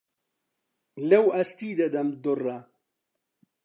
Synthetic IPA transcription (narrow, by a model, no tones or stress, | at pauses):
lɐwɐst̪iːd̪ɐd̪ɐmd̪ʊrɐ